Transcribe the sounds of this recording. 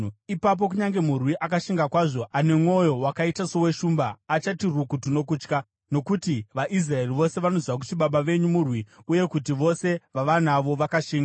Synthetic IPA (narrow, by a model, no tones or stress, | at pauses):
ipap̬o̞k̬uɲaŋɡe̞murwiʔakaʃiŋɡakwaʐo̞ane̞mŋo̞jo̞wakaitaso̞we̞ʃuːmbaːt͡ʃatirukutuno̞kuːt͡ʃka | no̞kutiʋaʔis̬rae̞riʋo̞se̞ʋano̞ziʋak̬u̥tiɓaɓaʋe̞ɲumurwiuje̞kutiʋo̞se̞ʋaʋanaʋo̞ʋakaʃiːŋɡa